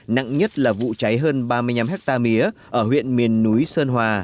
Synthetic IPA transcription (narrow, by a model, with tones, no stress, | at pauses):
na̰˧˨ŋɲə˦˥t̚laː˨˩vṵ˧˨t͡ɕa˨˦jɦəː˧nɓaː˧mɨ˧jɲa˧mɦɛ˦˥k̚t̪aː˧mi˨˦əʔəː˧˩hwḭ˧˨ənmi˨˩ənːu˨˦jsəː˧nɦwaː˨˩